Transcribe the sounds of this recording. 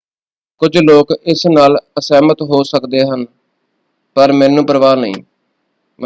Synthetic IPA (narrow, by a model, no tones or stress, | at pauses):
kʊd͡ʒloːkɪsnaːləsɛːmət̪ɦoːsəkd̪eːɦən | pəɾmɛ̃ːnũːpəɾəʋaːnəḭ̃ː